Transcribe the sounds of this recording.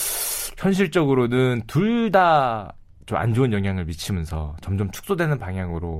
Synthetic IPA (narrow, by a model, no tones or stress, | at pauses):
çjʌnɕ̬ʰiɭt͡ɕ͈ʌɡɯɾonɯntuɭda | t͡ɕoma̰nd͡ʑoɯnjʌŋɦjaŋɯɭmit͡ɕʰimjʌnsʰʌ̰t͡ɕʌmd͡ʑʌmt͡ɕʰu̥k̚s͈odwenɯnpaŋɦjaŋɯɾo